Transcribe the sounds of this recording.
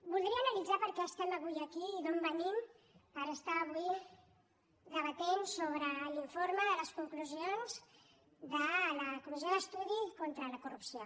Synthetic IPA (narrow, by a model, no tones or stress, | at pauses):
bulˠd̪ɾiəːnəlid͡zapəɾkɛəst̪ɛməβujəkiːðombənim | pəɾəst̪aːβ̞ui | ðəβ̞ət̪ɛnsoβ̞ɾəliɱfoɾməðələskuŋkluzionz | ðələkluzeðəst̪uðikont̪ɾələkurupsio